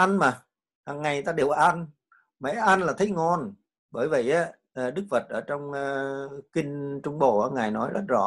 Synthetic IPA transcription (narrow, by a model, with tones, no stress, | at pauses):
ʔa˧nmaː˨˩ | haː˨˩ŋŋa˨˩jt̪aː˧ɗe˨˩wʔa˧n | mɛ̰˧˩˥ʔa˧nlaː˨˩t̪ʰə˨˦jŋɔ˧n | ɓəː˧˩jvi˨˩ʔaː˨˦ | ʔːɗɨ˦˥k̚və˨˩t̚ʔəː˧˩t͡ɕɔ˧wŋ͡mːkï˧ŋ̟t͡ɕʊ˧ŋ͡mɓo̰˧˨ʔaː˧˦ŋaː˨˩jnɔ˨˦jzə˦˥t̚zɔ̰˧˩˥